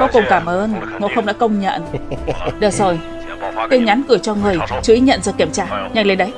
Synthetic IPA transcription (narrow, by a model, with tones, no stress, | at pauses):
kɔ˨˦ku˨˩ŋ͡mkaː˧˩mʔəː˧nŋo̰˧˥xə˧wŋ͡mɗa̰ː˧˥kə˧wŋ͡mɲə̰˧˨n | ɗəː˨˩zo˨˩j | t̪i˧ɲa˨˦nkɨ˧˩ət͡ɕɔ˧ŋɨ˨˩əjt͡ɕu˨˧˦ʔi˨˦ɲə̰˧˨nzəː˨˩jki˧˩əmt͡ɕaː˧ɲa˧jŋlə˨˧˦jɗə˨˦j